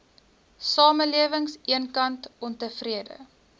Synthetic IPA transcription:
sɑːməliəvəŋsiənkɐntɔntəfriədə̰

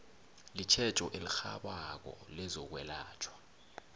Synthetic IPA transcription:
lit͡ʃʰɛt͡ʃʼɔʔilixa̰ɓak̬ɔ̰lɛzɔk̬wɛla̰ːt͡ʃʰwa

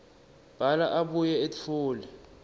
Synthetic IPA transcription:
b̥ʱalaʔaɓujɛetʰuːlɛ

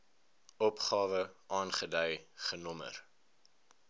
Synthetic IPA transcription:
ɔpχɑːvəʔɑːnχədəjχənɔmə̰r

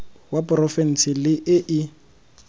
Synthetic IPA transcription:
wapʊrɔfɛn̩sɪlɪʔɪʔɪ

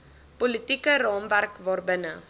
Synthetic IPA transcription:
pɔlitikərɑːmværkvɑːrbənə

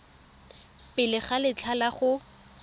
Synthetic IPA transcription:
pɪlɪχalɪt͡ɬʰalaχʊ

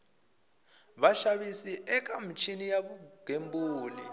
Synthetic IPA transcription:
ɓaʃaɓisiʔɛk̬ʼamit͡ʃʰinijaɓuɡ̥ʱembuːli

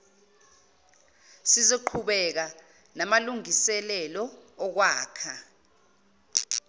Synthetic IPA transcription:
sizeǃʰuɓɛk̬a | namaluŋisɛlɛlɔːk̬waːkʰa

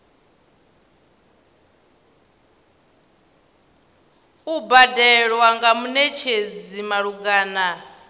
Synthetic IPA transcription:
ubadɛɺwaŋɡamunɛt͡ʃʰed͡zimaɺuɡaːna

